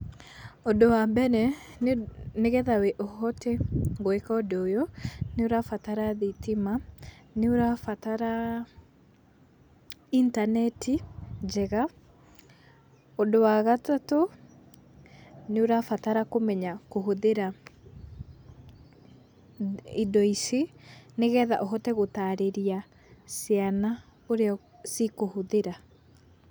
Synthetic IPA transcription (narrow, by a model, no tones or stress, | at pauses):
odowabɛnɛ | nneɣɛðawɛʔɔhɔtɛɡoɛkaodojɔneoɾafataɾaðitimaneoɾafataɾa | intanɛtʰid͡ʒɛɣa | odowaɣatato | neoɾafataɾakomɛɲakoɦoðeɾa | idɔiseneɣɛða̰ʔɔɦɔtɛɣotaːɾeɾia | seana | oɾeɔ | sikohoðeɾa